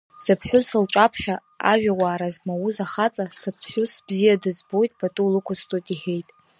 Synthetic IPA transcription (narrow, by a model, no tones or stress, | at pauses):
sɨpʰħʷᶣʊsɨlʈ͡ʂʼapʰχʲa | a̰ʒᶣawaːɾazmawuzaχat͡sʼasɨpʰħʷʊsbzijadɨzbo̞jtʼb̥ʰatʼulɨkʷʰʊstʼotʼiħe̞jtʼ